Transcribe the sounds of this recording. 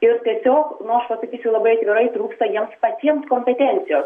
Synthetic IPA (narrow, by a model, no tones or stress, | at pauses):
ɪɾt̪ʲiɛsʲoːknʊɐʃpɐsɐkʲiːsʲʊlˠɐbɐɪɐt̪ʲʋʲɪɾɐɪt̪ɾuːkst̪ɐjiɛmspɐt̪ʲiɛmskoːmʲpʲɛt̪ʲɛnʲt̪sʲɪjoːs